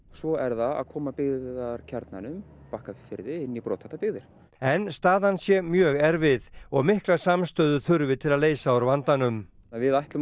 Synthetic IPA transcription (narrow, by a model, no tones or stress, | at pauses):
svɔɛɾðaa̰ðkʰɔːmapɪɣðaɾcʰɛɾt̪na̰nʏm | pahkafɪfɪɾðɪɪnːipɾɔ̰ːt̪ʰaht̪apɪɣðɪɾ̥ | ɛnst̪aːðansjɛmjœːɣɛɾvɪðɔɣmɪhklḁsamst̪œːðʏθʏɾvɪt̪ʰɪlaðleːjsaawɾvant̪anʏm | avɪðajht̪lʏ